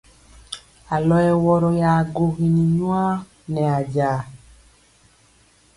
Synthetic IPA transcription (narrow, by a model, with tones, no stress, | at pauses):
a˨lɔ˦jɛ˨wɔ˨ɾɔ˨ja˨ɡo˨ɣi˨ni˨ɲwa˦ | nɛ˨a˨d͡ʒaː˨